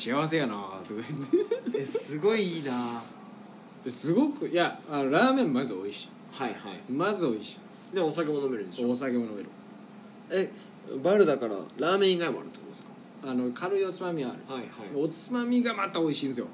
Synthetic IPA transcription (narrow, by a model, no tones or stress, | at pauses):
ɕiaβas̬e̞janat̪okt̪ː | sɨɡo̞iiːna | esɨɡo̞kɯ̟jaano̞ɾaːmẽ̞mmazɨo̞iɕi̥ | haihaimazɨo̞iɕi̥ | neosake̞monomeɾɯ̃nd̪eoos̬akemonome̞ɾɯ̟ | e | baɾɯ̟d̪akaɾa̰ɾaːmẽ̞iɡaima̰ɾɯ̟t̪okːd̪esɨ̥kḁ | ano̞kʰaɾɯiot͡sɨmamʲiaaɾɯ̟haihaieot͡sɨmamʲiɡamat̪ao̞iɕĩːnsɨjo̞̰